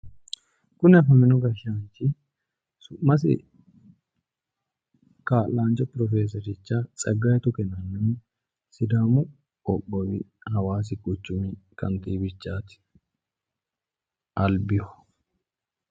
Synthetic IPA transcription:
kʊnɪɐfɐmɪnɔɡɐʃaːnt͡ʃːɪ | sʊmɐs̬ɪ̰ | kaːlaːnt͡ʃɔpɾɔfeːs̬ɐɾɪt͡ʃːat͡sʼɐɡːaːjɛt̪ʊkɛnɐnːɛn | sɪd̪aːmʊ | ɔkːɔwɪhɐwaːs̬ɪkʼʊt͡ʃːʊmɪkɐ̰nt̪iːbɪt͡ʃːaːt̪ɪ̥ | ʔɐlbɪjɔ

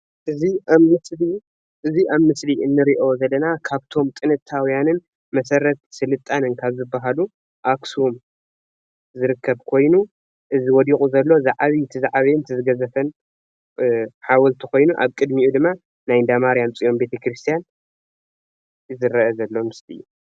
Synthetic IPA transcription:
ʔɨziamɨsli | ʔɨziʔaβmɨsliɨnːɨɾiʔo̞zɐlːɐnakʰaβt̪ʰo̞mt̪ʼɨnɨt̪ʰawijanɨn | mɐsɐɾɐt̪̚sɨlɨt̪ʼːanɨnkʰaβzɨbːaɦalu | ʔaksum | zɨɾɨkʰːɐβkʰo̞jnu | ʔɨziwɔd̪ixʼuzɐlːo̞zaʕaβit̪ʰɨzaʕaβint̪ʰɨzɨɡɐzɐfɐn | ħawɔlt̪ʰiko̞jnuʔa̰βkʼɨd̪miud̪ɨmːa | najnd̪amaɾijamt͡sʼijo̞mbe̞t̪ʰɐkɾɨst̪ʰijan | zɨɾɐɐzɐlːo̞mɨslḭjːu

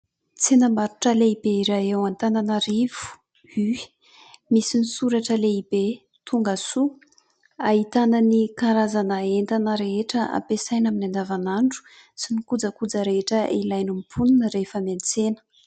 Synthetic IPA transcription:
t͡senəmaɾuʈ͡ʂəleibeiɾajewant̪ananaɾivu̥ | y̥ | misinisuɾaʈ͡ʂəleibe | t̪ʰuŋɡasu | aɦit̪ananikaɾazanaent̪anəɾeɦeʈ͡ʂəʔa̰mpesajnaminand̪avanaɳɖ͡ʐu̥ | sinikud͡zəkud͡zəɾeeʈ͡ʂəʔilajnumpʰuninəɾefəmant͡senə̥

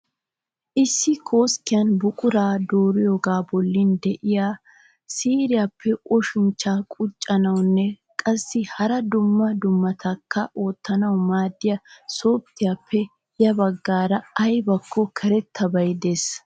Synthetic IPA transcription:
ʔɪsːɪkʰo̞ːskːɪjɐnbʊkʼʊɾaːd̪oːɾɪjɔɡaːbɔlːɪnd̪ɛʔɪjaː | siːɾɪjaːpʰːɛʔɔʃɪnt͡ʃːaːkʼʊt͡ʃʼːɐnɐwnːɛ | kʼɐsːɪhɐɾɐd̪ʊmːɐd̪ʊmːɐt̪ʰɐkʰːɐʔo̞ːt̪ːɐnɐwmaːd̪ːɪjɐso̞ːt̪ːɪjaːpʰːɛ | jɐbɐɡːaːɾɐɐjbɐkʰːɔkʰɛɾɛt̪ʰːɐbɐjd̪e̞ːs

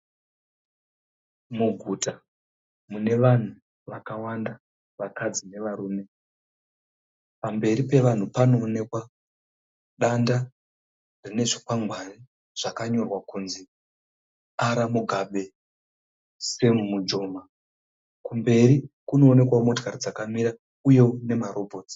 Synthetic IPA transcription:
muɡʱuta | mune̞ʋan̤u | ʋakawanda | ʋakad͡zine̞ʋaɾuːme̞ | pambe̞ɾipe̞ʋan̤upano̞ːne̞kwa | ɗanda | rine̞ʐikwaŋɡwani | ʐ̥akaɲo̞rwakunzi | aɾamuɡʱaɓe̞ | semumud͡ʒo̞ma | kumbe̞ɾikuno̞ːne̞kwamotkaɾid͡zakamiɾa | uje̞une̞maɾo̞bʱo̞ːti̥

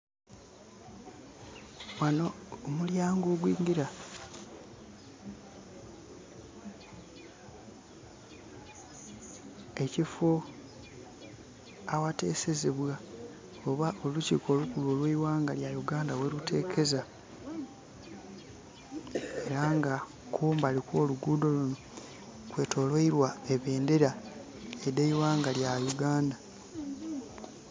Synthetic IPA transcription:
wanoːmuljaːŋɡoːɡwiːŋɡiɾa | e̞cifo | awate̞̰ːse̞zeβwa | o̞βaʔo̞luciːkʰo̞ːlukulwoːlweiwaːŋɡaljajuɡaːndawe̞ɾutʰe̞ːkʰe̞za | e̞ɾaŋɡa | kʰuːmbalikwo̞ːluɡuːdo̞luno̞ | kwe̞ːtʰo̞ːlweiɾwaeβeːndeɾa | edeiwaːŋɡaljajuɡaːnda

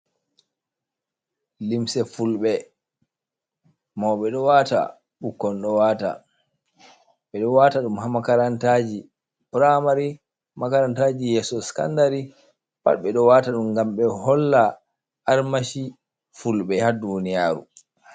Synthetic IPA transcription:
limsɛfulɓɛ | mɔɓɛɗɔwata̰ | ɓukːɔnɗɔwaːta̰ | ɓɛɗɔwaːtaɗumɦamakaɾantad͡ʒi | pɾamaɾi | makaɾantad͡ʒijɛsɔska̰ndaɾi | pa̰tɓɛɗɔwaːtaɗumɡamɓɛhɔlːa | ʔaɾmaʃi | fulɓɛhadunija̰ːɾṵ

